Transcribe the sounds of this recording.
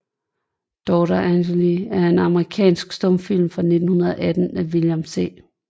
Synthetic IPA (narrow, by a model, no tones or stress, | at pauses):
d̥ɒːɾɐænɕeliæɐe̝nɑ̈məʁikʰɛ̰ːnsɡ̥sd̥ɔ̽mfil̰mfʁɑ̈ne̝d̥n̩hunɐðˠɐʔæd̥n̩æʋiljɑmse̝̰ː